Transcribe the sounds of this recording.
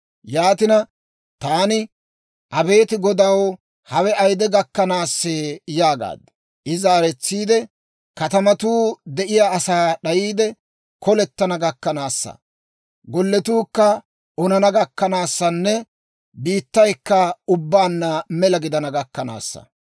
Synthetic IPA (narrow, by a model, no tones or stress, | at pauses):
jaːt̪ɪnɐ | t̪aːnɪ | ʔɐbe̞ːt̪ɪɡɔd̪ɐw | hɐwɛʔɐjd̪ɛɡɐkːɐnaːsːeːjaːɡa̰ːd̪ | ʔɪzaːɾɛt͡sːiːd̪ɛ | kɐt̪ɐmɐt̪uːd̪ɛʔɪjaːɐsaːɗɐjiːd̪ɛ | kɔlɛt̪ːɐnɐɡɐkːɐnaːsːɐ̰ | ɡɔlːɛt̪uːkːɐ | ɔnɐnɐɡɐkːɐnaːsːɐnːɛ | biːt̪ːɐjkːɐʊbːaːnːɐmɛlɐɡɪd̪ɐnɐɡɐkːɐna̰ːsːɐ̰